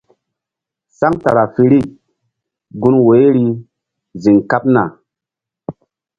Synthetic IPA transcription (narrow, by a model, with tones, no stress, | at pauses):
sa˦ŋta̰˨ɾa˨fi˨ɾi˦˨ | ɡu˦nwe˨˦ɾi˦ | zi˨ŋka˦p̚na̰˨